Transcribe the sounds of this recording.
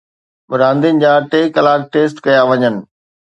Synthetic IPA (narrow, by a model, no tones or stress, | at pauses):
bʊɾãːnd̪inɪ̆d͡ʑaːʈeːkɐlaːk̚ʈeːs̬ʈkɐjaʋɐɲənɪ̆